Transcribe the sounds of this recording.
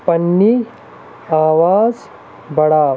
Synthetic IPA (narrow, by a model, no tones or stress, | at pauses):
pɐnːi | aːʋaːz | bɐɽaː